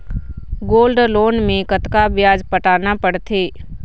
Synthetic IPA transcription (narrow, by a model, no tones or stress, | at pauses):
ɡoːlɖloːnmẽkət̪kabɪjaːd͡ʒpəʈaːnapəɽt̪ʰeː